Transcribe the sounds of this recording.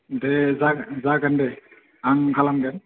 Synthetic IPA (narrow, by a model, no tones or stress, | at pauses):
dɛzazaɡandɛ | aŋkʰalamɡan